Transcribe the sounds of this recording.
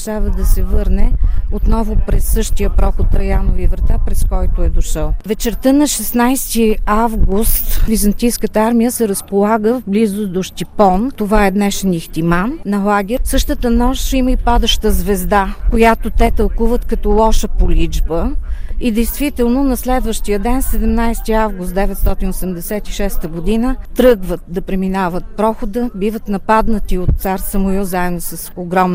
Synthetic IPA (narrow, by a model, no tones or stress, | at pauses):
ʃavəd̪ɐsɛvɤɾnɛot̪nɔvʊpɾɛsːɤʃt̪ijəpɾɔxot̪ɾɐjanovivɾɐt̪apɾɛskɔjt̪oɛd̪oʃəlˠvɛt͡ʃɛɾt̪ənɐʃɛsnajst̪iavɡust̪vizɐnt̪ijskət̪əaɾmijəsɛɾəspolˠaɡəvblizʊd̪oʃt̪ipɔnt̪ovaɛd̪nɛʃɛnixt̪imanːɐlˠaɡʲɛɾsɤʃt̪ət̪ənɔʃiməipad̪əʃt̪əzvɛzd̪akojat̪ot̪ɛt̪ɐlˠkuvət̪kɐt̪ɔlˠɔʃəpolid͡ʒbəid̪ɛjst̪vit̪ɛlˠnonɐslɛd̪vəʃt̪ijəd̪ɛnsɛd̪ɛmnajst̪iavɡust̪d̪ɛvɛt̪st̪ɔt̪inosɛmd̪ɛsɛt̪iʃɛst̪əɡod̪inət̪ɾɤɡvət̪̚d̪ɐpɾɛminavət̪̚pɾɔxod̪əbivət̪nɐpad̪nət̪iot̪t̪saɾsɐmojuzaɛd̪nosəsoɡɾɔm